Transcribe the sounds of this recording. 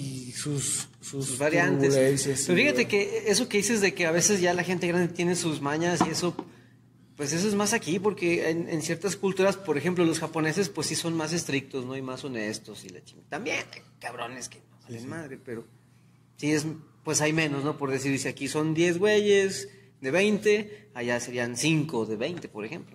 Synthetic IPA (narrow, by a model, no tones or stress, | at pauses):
isusː | uuzβaɾjant̪eseeeofixat̪ekeeso̞ke̞ðise̞zðe̞keaβ̞e̞se̞zʝalaxe̞nt̪e̞ɣɾand̪et̪je̞ne̞suzmaɲasie̞so̞ | pwe̞s̬es̬o̞e̞zmasakipo̞ɾke̞enḛnsje̞ɾt̪askult̪uɾaspo̞ɾe̞xe̞mplo̞lo̞sxapone̞se̞spwesːiso̞nmas̬e̞st̪ɾik̚t̪o̞zno̞aijmaso̞ne̞st̪o̞sila̰t͡ʃint̪ambje̞najkaβɾo̞̰neskenoβalenmaðɾepe̞ɾo̞ | sie̞zpwe̞sajmẽ̞no̞sno̞po̞ɾðesiɾsiakiso̞nd̪je̞zɣwe̞ʝes | ðe̞β̞ejnt̪e̞aʝaseɾiansiŋko̞ðe̞βe̞jnt̪e̞po̞ɾexe̞mplo